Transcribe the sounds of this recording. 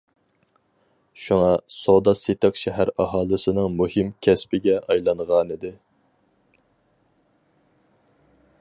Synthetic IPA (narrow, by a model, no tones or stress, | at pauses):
ʃuŋɑsod̪ɑset̪ɨqʃɛɦæɾɑɦɑːlˠɨsɪnɨŋmuhɪmkʲʰɛspɪɡʲɛʔɑjlˠɑnʁɑnid̪ɪ